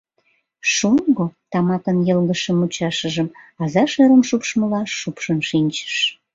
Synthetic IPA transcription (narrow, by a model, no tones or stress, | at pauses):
ʃoŋɡot̪ɑmɑkənjəlɣəʃəmut͡ɕɑʃəʒəmɑzɑʃeɾəmʃupʃməlɑːupʃənʃinʲt͡ɕə̥ʃ